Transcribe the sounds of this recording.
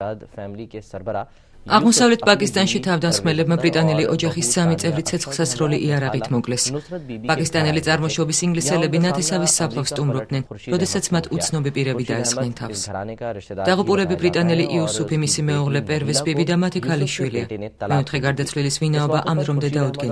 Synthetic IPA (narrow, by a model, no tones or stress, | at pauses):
aʁmɔsavlɛt̪̚ʰpʼakʼist̪ʼanʃit̪ʰavd̪ansχmɛlɛbmabɾit̪ʼanɛliʔɔd͡ʒaχisːamit̪sʼɛvɾit̪sʰɛt̪sʰχlˠsat̪sʰɾɔliʔiaɾaʁit̪ʰmɔkʼlɛspʼakʼist̪ʼanɛlit̪sʼaɾmɔʃɔbisiŋɡlisɛlɛbinat̪ʰɛsavisːapʰlˠafsːt̪ʼumɾɔbd̪nɛnɾɔd̪ɛsat̪sʰmat̪ʰut̪sʰnɔbipʼiɾɛbid̪aɛsχʼnɛnt̪ʰa̰fs | d̪̥aʁupʼulɛbibɾit̪ʼanɛliʔiusupʰimisimɛuʁlɛpʼɛɾvɛsbibid̪amat̪ʰikʰaliʃwiliamɛɔt̪ʰχɛɡaɾd̪at̪sʰvlilisvinaɔbaʔamd̪ɾɔmd̪ɛd̪aud̪ɡɛn